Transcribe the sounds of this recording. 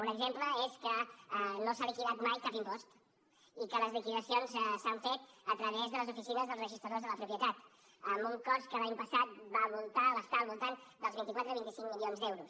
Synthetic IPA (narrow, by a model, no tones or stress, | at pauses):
unəɡzempləeskəənosalikiðat̪majkapimpɔst̪ | ikələzlikiðəsionzsaɱfet̪ət̪ɾəβezðələzufisinəzðəlˠzrəʒist̪ɾəðozðələpɾupjət̪at̪ | əmbuŋkɔskəlaɲpəsat̪̚βaβulˠt̪aβəst̪aːlˠβulˠt̪and̪əlˠzβint̪ikwat̪ɾəβint̪isiŋmilionzd̪ɛwɾus